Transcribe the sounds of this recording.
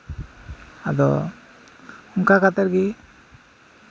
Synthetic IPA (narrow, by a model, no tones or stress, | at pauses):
ad̪ɔ | uŋkakat̪aɾɡi